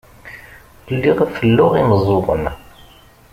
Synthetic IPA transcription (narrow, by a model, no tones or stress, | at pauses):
bəlːiʁafəlːʊʁiməzˤoʁə̰n